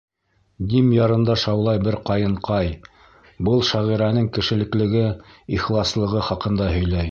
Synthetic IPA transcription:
d̪imjɑɾɤ̆nd̪ɑʃɑwlˠɑjbɘɾqɑjɤ̆ɴqɑj | bɤlˠʃæʁiɾænɘŋkɘ̆ʃɘ̆lɘ̆klɘ̆ɡɘiχlˠɑslˠɤ̆ʁɤχɑqɤ̆nd̪ɑɦɵ̆jlæj

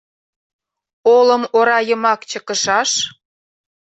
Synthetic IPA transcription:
oləmoɾɑjəmɑkt͡ɕə̆kə̆ʃɑʃ

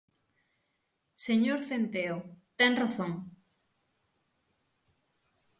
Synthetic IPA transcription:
seɲoɾθent̪eot̪ɛŋraθoŋ

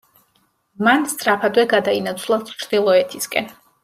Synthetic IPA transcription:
manst̪sʼɾapʰad̪wɛɡad̪ainat̪sʰlˠat͡ʃɾd̪̥ilˠɔɛt̪ʰiskʼɛ̰n

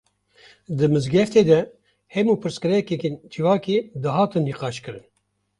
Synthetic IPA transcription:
d̪ɨmɨzɡɛft̪eːd̪ɛ | hɛmuːpʰɨɾskɨɾɛkɛkeːnt͡ʃʰɨwɑːkeːd̪ɨɦɑːt̪ɨnːiːqɑːʃkɨɾɨn

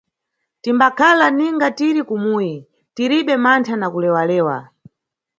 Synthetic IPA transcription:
timbakʰalaniŋɡatiɾikumuji | tiɾiɓɛmantʰanakulɛwalɛːwa̰

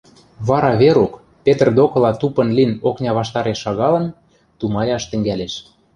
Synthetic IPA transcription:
βɑɾɑβeɾok | pet̪ərd̪okɤ̆lɑt̪upɤ̆nlinoknʲɑβɑʃt̪ɑɾeʃːɑɣɑlɤ̆n | t̪umɑjɑʃt̪ɘ̆ŋɡæleʃ

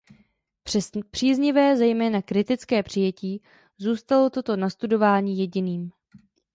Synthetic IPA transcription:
pr̥iːzɲɪvɛːzɛjmɛːnakɾɪt̪ɪt͡skɛːpr̝̥ɪjɛciː | zuːst̪alo̞t̪o̞t̪o̞nast̪udo̞vaːɲiːjɛɟɪniːm

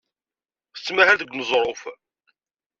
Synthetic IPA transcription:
θə̥t͡sːmæhælðəɡʷnəzˤɾˤof

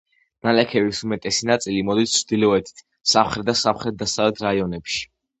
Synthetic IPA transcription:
nalɛkʰɛvisumɛt̪ʼɛsinat̪sʼilimɔd̪ist͡ʃʰːd̪ilɔɛt̪ʰi̥t̪ʰ | samχɾɛt̪̚d̪asamχɾɛt̪̚d̪asavlɛt̪ʰɾaiɔnɛpʃi̥

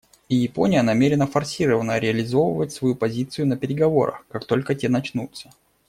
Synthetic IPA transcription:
ijɪpo̞̰nʲɪjənɐmʲeɾʲɪnəfɐrsʲiɾəvənəɾʲɪɐlʲɪzo̞və̰vətʲsvɐjupɐzʲit̪sɨjʊnəpʲɪɾʲɪɡɐvo̞̰ɾə̰xkakt̪o̞lʲkətʲenɐt͡ɕnut̪sə

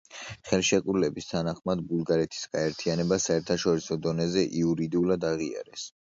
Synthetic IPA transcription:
χɛlˠʃɛkʼuɾlɛbist̪ʰanaχmad̪bulˠɡaɾɛt̪ʰi̥sɡ̥aɛɾt̪ʰianɛbasaɛɾt̪ʰaʃɔɾisɔd̪ɔnɛzɛʔiuɾid̪iulˠad̪aʁia̰ɾɛs

